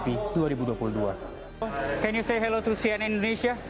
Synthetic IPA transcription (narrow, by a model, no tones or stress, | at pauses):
t̪iduaɾibuduapuludua | kɛ̃njusejɦɛlot̪usiɛ̃nĩndoneʃia